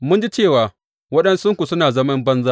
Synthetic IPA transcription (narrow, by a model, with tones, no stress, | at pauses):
mʊ˦nd͡ʒi˦t͡ʃeː˦˨waː˨ | wɐ˦ɗɐ˦nsʊ˦ŋkʷu˨sʊ˦naː˨zɐ˦mɐ˦mbɐ˦nza˦